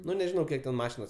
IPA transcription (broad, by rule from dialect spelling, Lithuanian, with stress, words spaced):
ˈnʊ nʲɛʒʲɪˈnɐʊ ˈkʲiɛk tʲɛn ˈmɑːʃʲɪnoːs